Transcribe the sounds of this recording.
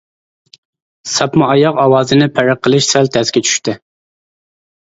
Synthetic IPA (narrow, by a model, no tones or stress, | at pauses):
sɑpmʊɑjɑqɑwɑːzɨnɪpʰæɾæqʰːəlˠɨʃsælt̪ʰɛskʲɛt͡ʃʰy̥ʃt̪ɪ